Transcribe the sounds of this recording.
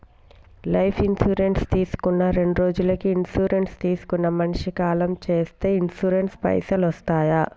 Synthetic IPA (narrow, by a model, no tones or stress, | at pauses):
lɐjpʰinsuːɾe̞ɳʈst̪iːsu̥kunːɐɾe̞ɳɖuɾo̞ːd͡ʒulɐkiːnsuːɾe̞ɳʈst̪iːsu̥kunːɐmɐnʂikaːlɐmt͡ʃe̞ːst̪e̞ːinsuɾenʈspɐ̰jsɐlʋɐst̪aːjɐ